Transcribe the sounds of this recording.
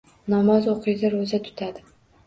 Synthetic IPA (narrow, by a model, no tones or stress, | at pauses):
nɒmɒzoqʰɨjd̪aɾozat̪ʰʊ̥t̪ʰad̪ɪ